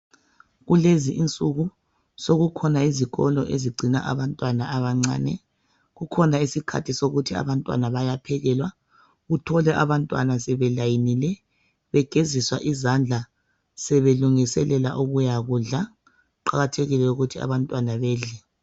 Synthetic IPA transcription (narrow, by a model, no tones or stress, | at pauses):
ɣuleziʔint͡sʼuɣu | soɣukʰɔnaiziɣɔ̰lɔʔeziɡ͡ǀʱina̰ʔa̰βantʼwanaaβaŋ͡ǀa̰ːnɛ̰ | ɣukʰɔnaisikʰa̰tʰisoɣutʰia̰βantʼwa̰naβajapʰɛɣɛlwa | ɣutʰɔlɛʔaβantʼwa̰nasɛβɛlajinilɛ | βɛɡ̥ʱeziswaʔizand͡ɮʱa | sɛβeluŋisɛlɛla̰ʔuɣujaɣuɮa | ǃaɣatʰeɣilɛuɣutʰia̰βantʼwanaβɛːɮɛ